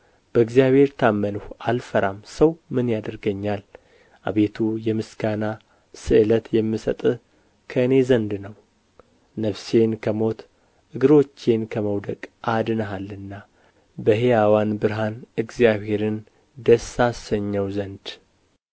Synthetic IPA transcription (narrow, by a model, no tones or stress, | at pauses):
b̥əɨɡzijaβhe̞ɾt̪ʰamːənuhʔalfəɾamsəwmɨnjad̪əɾɡəɲːal | ʔa̰βe̞t̪ʰujɛmɨskana | sɨʔɨlət̪jɛmːisə̰t̪ʼɨ | kʰəɨne̞zənd̪nəw | nəfse̞nkʰəmo̞t̪ | ʔɨɡɨɾo̞t͡ʃːe̞nkʰəməwd̪əkʼʔad̪ɨnəɦalːɨnːa | bəɦejawanbɨɾɦanɨɡzijaβhe̞ɾɨn | d̪əsasəɲːəwzənd̪